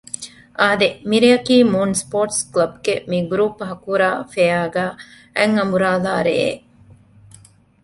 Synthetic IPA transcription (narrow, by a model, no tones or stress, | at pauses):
ʔaːd̪emiɾeɐkiːmuːnspoːʈsklɐb̚ɡemiɡɾuːpːɦɐkuːɾaːfejaːɡæː | æŋɐmbuɾaːlaːɾḛḛ